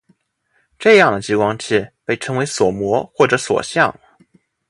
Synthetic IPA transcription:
ʈ͡ʂɤ˥˧jɑ˥˩ŋd̪ə˩t͡ɕi˥kwɑ˥ŋt͡ɕʰi˥˩pe˥˩ɪʈ͡ʂʰɤ˧˥ŋwe˧˥ɪswɔ˨˩mwɔ˧˥xwɔ˥˩ʈ͡ʂɤ˧˥swɔ̰˨˩ɕjɑ˥˩ŋ

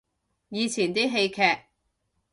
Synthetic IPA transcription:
jiː˨˧t͡sʰiː˨˩nt̪iː˥ɦe˧jkʰɛː˧k̚

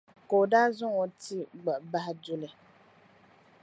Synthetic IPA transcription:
ko˨daː˦zʊ˦ŋo˨ti˦ɡ͡ba˨ba˦hdu˦lɪ˨

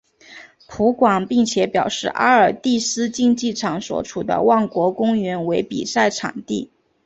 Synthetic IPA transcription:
pʰu˧˥kwɑ˨˩ŋpi˥˩ŋt͡ɕʰjɛ˧˥pjɑ˨˩ʊʂɻ̩˥˩ʔa˥ə˞˨˩t̪i˥˩sɹ̩˥t͡ɕi˥˧ŋt͡ɕi˥˩ʈ͡ʂʰɑ˨˩ŋswɔ̰˧˥ʈ͡ʂʰu˨˩d̪ə̰˦wɑ˥˩ŋkwɔ˧˥kʊ˥ŋɥɛ˧˥nwe˧˥ɪpḭ˨˩sa˥˩ɪʈ͡ʂʰɑ̰˨˩ŋt̪i˥˩

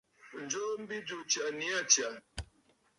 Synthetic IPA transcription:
n̩˨d͡ʒo˦m̩˦bi˦d͡ʒo˨t͡ʃa˨ni˨˦a˦t͡ʃja˨

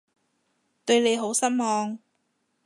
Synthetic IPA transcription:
t̪ɵ˧ɥne˨˧jɦo˨˥wsɐ˥nmɔː˨˧ŋ

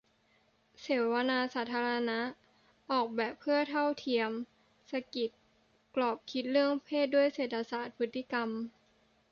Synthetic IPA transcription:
seː˩˦wwa˧naː˧saː˩˦t̪ʰaː˧ɾa˧na˦˥ | ʔɔː˨˩k̚bɛː˨˩pʰːɯ˥˩ɐt̪ʰa˥˩wt̪ʰi˧əm | sa˧ki˨˩t̪̚ | klɔː˨˩p̚kʰi˦˥t̪̚lɯ˥˩əŋpʰeː˥˩t̪̚du˥˩əjseː˨˩t̪ʰːa˧saː˨˩t̪̚pʰɯ˦˥t̪ːi˧˥ka˧m

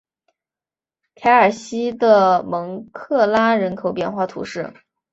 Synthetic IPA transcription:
k̪ʰa˧˥ɪə˞˨˩ɕi˥d̪ə˨mɤ˧˥ŋkʰɤ˥˩la˥ɻə˧˥nkʰo˨˩ʊpjɛ˥˧nxwa˥˩t̪ʰṵ˧˥ʂɻ̩˥˩

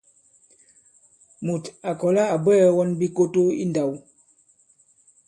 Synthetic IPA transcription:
mu˨ta˨kɔ˨la˦a˨bɛ˦wɔ˦nbi˦ko˦to˦ḭ˦nda˨w

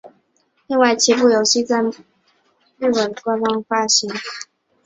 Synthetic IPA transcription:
li˥˧ŋwa˥˩ɪt͡ɕʰi˧˥p̬u˥˩jo˨˩ʊɕi˥˧t͡sa˥˧ɪ | ɻy˥˩wə˨˩nkwa˥nfɑ˥ŋfa˥ɕi˧˥n

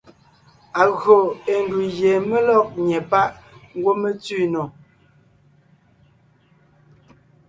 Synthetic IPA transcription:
a˨ɣɰo˨e˨n˨du˨je˨me˦lɔ˦˨k̚ɲɛ˨pa˦ʔŋ˦ɡwo˦me˦t͡si˦˨nɔ˨

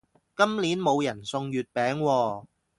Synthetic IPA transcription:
kɐ˥mliː˨˥nmo˨˧wjɐ˨˩nsʊ˧ŋjyː˨˩t̚pɛː˨˥ŋwɔː˧

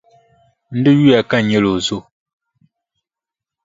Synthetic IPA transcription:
n̩˦dɨ˦ji˦a˨ka˦ɲe˦lo˨zo˦˨

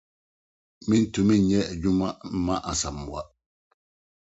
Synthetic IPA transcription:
mi˦n˨tu˨mi˦n˨ɲɛ˦ɛ˨ɟu˦ma˦m̩˦ma˦ʔa˨sa˨m˨wa˦

